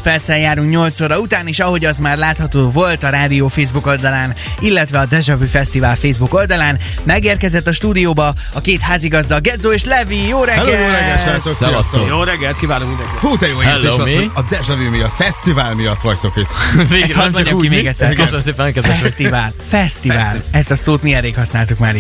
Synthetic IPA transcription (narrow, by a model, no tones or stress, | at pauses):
pɛrt̪sɛjjaːɾuŋkɲo̞lt̪soːɾɒut̪aːniʃɒɦo̞ɟɒzmaːrlaːt̪hɒt̪oːvo̞lt̪ɒɾaːd̪ijoːfeːzbuko̞ld̪ɒlaːn | ilːɛt̪ʋɛɒd̪ɛʒɒvyfɛst̪ivaːlfeːzbuko̞ld̪ɒlaːn | mɛɡeːrkɛzɛt̪ːɒʃt̪uːd̪ijoːbɒ | ɒkeːt̪haːziɡɒzd̪ɒlɡɛd̪zoːeːʃlɛvijoːɾɛɛlojoːɾɛɡɛsɛt̪oksɛsoːjoːɾɛɡːɛlt̪kivaːloɾɛhoːd̪ɛjoːjezleːʃot̪oɒd̪ɛʒɒvymijɒt̪fɛst̪ivaːlmijɒt̪ːʋɒct̪o̞kit̪ːeɛshɒmɒkimeːɡɛc̪ʲːsːɛɾkøsnmseːpɛkɛzɛɛʃst̪ivaːlfɛst̪ivaːlɛst̪ɒsoːt̪miɛrːeːkhɒsnaːlt̪ukmaːɾi